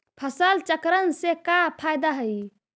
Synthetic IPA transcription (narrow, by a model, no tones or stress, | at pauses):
pʰəsəlt͡ʃəkɾənsekapʰajd̪aɦəj